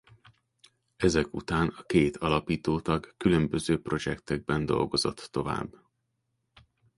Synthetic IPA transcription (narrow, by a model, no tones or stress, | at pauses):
ɛzɛkṵt̪aːnɒkeːt̪ʰɒlɒpiːt̪oːt̪ɒɡkylø̞mbø̞zøːpro̞d͡ʒɛkt̪ɛɡ̚bɛnd̪o̞̰lɡo̞zo̞̰t̪ːo̞va̰ːbː